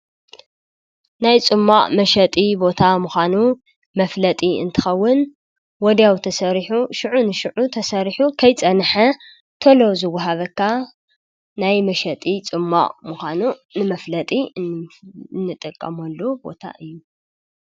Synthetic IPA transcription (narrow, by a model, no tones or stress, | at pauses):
najt͡sʼɨmːaʔʼmɐʃɐt̪ʼibo̞t̪ʰamuxʷanu | mɐflɐt̪ʼiɨnt̪ʰɨ̥xɐwːʊn | wɔd̪jawt̪ʰɐsɐɾiħuʃɨʕunɨʃɨʕut̪ʰɐsɐɾiħukʰɐjt͡sʼɐnħɐ | t̪ʰɐlozɨwːɐɦaβɐkʰːa | najmɐʃɐt̪ʼit͡sʼɨmːa̰ʔʼmuxʷanunɨmɐflɐt̪ʼi | nːɨt̪ʼɐkʼːɐmɐlːobo̞̰t̪ʰa̰ʔɨjːu